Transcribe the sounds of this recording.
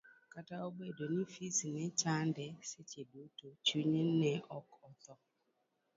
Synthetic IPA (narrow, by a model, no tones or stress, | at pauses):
kataobedonifisinɛt͡ʃandɛset͡ʃedotot͡ʃuɲinːɛʔɔkɔt̪ɔ